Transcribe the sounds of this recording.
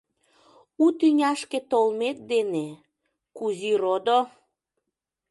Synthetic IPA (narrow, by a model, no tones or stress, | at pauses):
ut̪yŋʲɑʃket̪olmet̪̚d̪ene | kuziɾod̪o